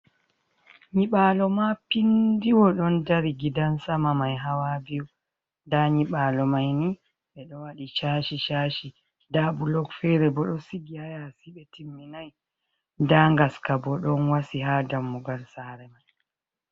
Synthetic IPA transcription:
ɲiɓalɔmapindiwɔɗɔndaɾiɡidansamamajɦawabiw | daɲiɓalɔmajni | ɓɛɗɔwaɗit͡ʃaːʃiʃaʃi | dabulɔɡfɛɾɛbɔɗɔsiɡihajasiɓɛtʰimːinaj | ndaŋɡaskabɔɗɔnwasiɦadamːuɡalsaɾɛmaj

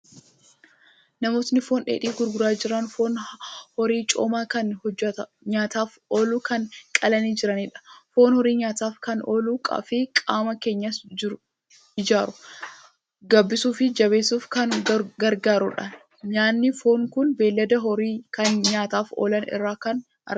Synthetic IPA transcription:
nɐmo̞ːt̪nɪfoːnᶑḛːᶑiːɡʊɾɡʊɾaːd͡ʒɪɾɐnfo̞ːnhɔɾiːt͡ʃʼoːmaːkɐnhɔd͡ʒːɐt̪ɐ | ɲaːt̪aːfʔo̞ːluːkɐnkʼɐlɐniːd͡ʒɪɾɐniːᶑɐ̥fo̞ːnhɔɾiːɲaːt̪aːfkɐnoːluːkʼɐ̰ːfɪkʼaːmɐke̞ːɲːɐd͡ʒɪɾ | ɪd͡ʒaːɾʊ | ɡɐbːɪsuːfɪd͡ʒɐβeːsuːfkɐnɡɐɾɡaːɾʊᶑɐn | ɲaːnːɪfoːŋkʊnbeːlːɐd̪ɐɦɔɾiːkɐnɲaːt̪aːfo̰ːlɐnɪ̰rːaːkɐn | ɐ̰

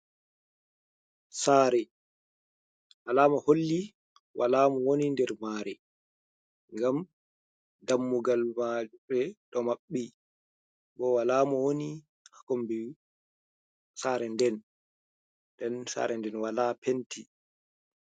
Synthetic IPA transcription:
saːɾɛ | ʔalaːmaholːi | wʔalaːmɔwonindɛɾmaɾɛ | ŋɡam | damːuɡalmad͡ʒuɓɛɗɔmaɓːi | ɓɔwalaːmɔwoni | hakombi | saːɾɛndɛn | dɛnsa̰ːɾɛndɛnwalaːpentʰi

